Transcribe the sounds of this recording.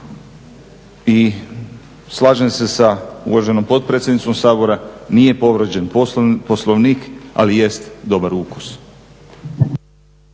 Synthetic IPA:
i | slˠaːʒense̞saṵʋaʒe̞no̞mpo̞dt̪̚pɾet̪sʲjed̪nit̪so̞msaːbo̞ɾanije̞po̞ʋɾd͡ʑenposlˠoʋniːka̰lijest̪d̪o̞baɾuku̥s

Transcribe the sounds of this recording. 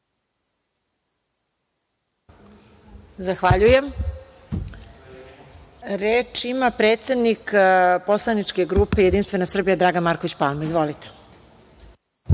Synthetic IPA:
zaxʋaʎujem | ɾeːt͡ʃimapɾet̪se̞d̪nikpo̞slˠanit͡ʂke̞ɡɾupejed̪inst̪ʋe̞nasr̩bijad̪ɾaːɡanmaːɾkoʋit͡ɕpa̰lmoizʋolit̪e̥

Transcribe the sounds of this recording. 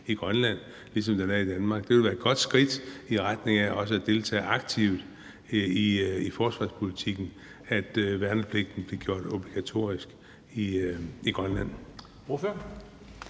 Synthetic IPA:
iɡ̥ʁɶnlæn̰ | lisɒ̽md̥ænæid̥ænmɑ̈ːɡ̥d̥eʋelʋæːɐed̥̚ɡ̥ɒ̽d̥sɡ̥ʁid̥iʁad̥ne̝ŋæʔɒ̽s̬əæd̥e̝lt͡sʰɛ̰ːʔɑ̈ɡ̥̚t͡sʰiʊ̰d̥ | iifɒːsʋɑ̰̈ːspʰo̝lit͡sʰiɡ̥n̩ | æd̥ʋæɐnəpʰle̝ɡ̥̚d̥n̩b̥le̝ɡ̥jo̝ɐ̰d̥ob̥liɡ̥æt͡sʰo̝̰ɐ̰isɡ̥ | iiɡ̥ʁɶnlæn̰ | ofø

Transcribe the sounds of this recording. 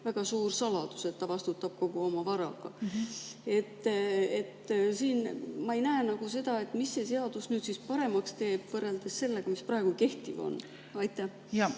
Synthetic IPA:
væɡ̥ɑsuːrsɑlɑd̪̥use̞t̪ːɑvɑst̪ut̪ːˑɑb̥̚ko̞ɡ̥uo̞mɑvɑɾɑ̰ɡ̥ɑ̰ | e̞t̪ːˑe̞t̪ːsiːnmɑe̞jnæenɑɡ̥use̞d̪̥ɑe̞t̪ˑmisːe̞se̞ɑd̪̥usnyːd̪sispɑɾe̞mɑkst̪e̞ːb̥vɤrːeld̪̥e̞sːe̞lːe̞ɡ̥ɑmisprɑe̞ɡ̥uke̞ht̪ivo̰n | ɑjt̪ːˑæh

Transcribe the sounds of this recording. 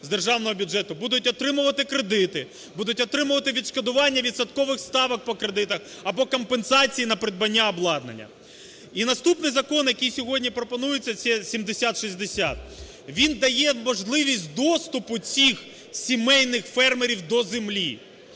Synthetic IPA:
zd̪erʒɑwnɔɦɔbʲʊdʒɛt̪ʊbud̪ʊtʲɔt̪ɾɪmʊʋɐt̪ɪkɾed̪ɪt̪ɪ | bud̪ʊtʲɔt̪ɾɪmʊʋɐt̪ɪʋʲid̪ʃkɐd̪ʊʋɑnʲːɐʋʲid̪sɐt̪kɔʋɪxst̪ɑʋɐk̚pɔkɾed̪ɪt̪ɐx | ɐbɔkɔmpensɑt͡sʲijinɐpɾed̪̚bɐnʲːaɔblˠɑd̪nɐ̰nʲːɐ̰ | inɐst̪upnɪjzɐkɔnjɐkijsʲɔɦɔdʲnʲipɾɔpɔnujɪt͡sʲːɐt͡sʲɛsʲimd̪esʲat̪ʃizʲd̪esʲa̰t̪̚ | ʋʲind̪ɐjɛmɔʒlˠɪʋʲisʲt̚ʲd̪ɔst̪ʊpʊt͡sʲix | sʲimɛjnɪxfɛrmeɾʲiwd̪ɔzemlʲi

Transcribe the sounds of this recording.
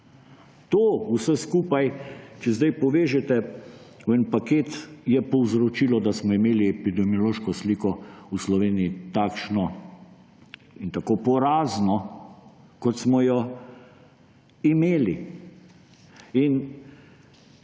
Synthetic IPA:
t̪oːusɛskuːpajt͡ʃɛzd̪ajpɔʋeːʒɛt̪ɛ | wɛnpakeːt̪jɛpɔwzɾɔt͡ʃiːlɔd̪asmɔimeːliɛpid̪ɛmiɔloːʃkɔsliːkɔuslɔʋeːniit̪aːkʃnɔ | int̪akoːpɔɾaːznɔ | kɔt̪smɔjɔ | imeːli | in

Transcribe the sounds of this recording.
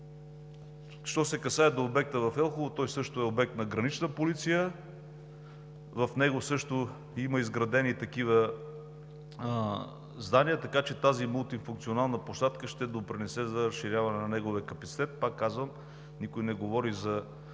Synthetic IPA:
ʃt̪ɔsɛkɐsaɛd̪oːbɛk̚t̪əvɐfɛlˠxovot̪ɔjsɤʃt̪ʊɛobɛk̚t̪nɐɡɾɐnit͡ʃnəpolit̪sijə | vɐfnɛɡosɤʃt̪o | iməizɡɾɐd̪ɛnit̪ɐkivə | zd̪anijət̪ɐkat͡ʃɛt̪azimulˠt̪ifuŋk̪̚sionalˠnəpoʃt̪at̪kəʃt̪ɛd̪opɾinɛsɛzɐɾɐsʃːiɾjavɐnɛnɐnɛɡoviəkɐpɐt̪si̥t̪ɛt̪̚pakːazvəm | nikʊjnɛɡovɔɾizɐ

